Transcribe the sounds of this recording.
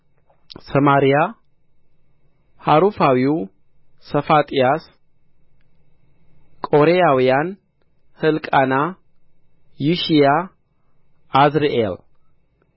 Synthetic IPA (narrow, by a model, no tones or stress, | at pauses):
səmaɾija | haɾufawiw | səfat̪ʼijas | kʼo̞ɾejawijan | hɨlkʼana | juʃija | zɾeʔel